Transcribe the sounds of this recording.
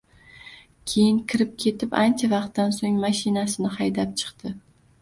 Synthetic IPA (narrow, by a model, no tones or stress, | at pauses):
kʲʰe̞jɪŋkʲʰɪɾɪp̚kʲʰe̞t̪ʰɪpant͡ʃʰavɑqt̪ːansoŋmaʃɪnasɪnɪhajd̪ap̚t͡ʃʰɨ̥qt̪ɪ